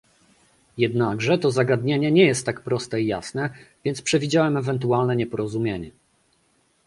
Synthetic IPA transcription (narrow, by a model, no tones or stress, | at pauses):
jɛd̪naɡʐɛt̪ɔzaɡad̪ɲeɲɛɲɛjɛst̪ːakpɾɔst̪ɛija̰snɛvʲjɛnt̪spʂɛvʲid͡ʑawɛmɛvɛnt̪̬ualnɛɲɛpɔɾɔzumʲjeɲɛ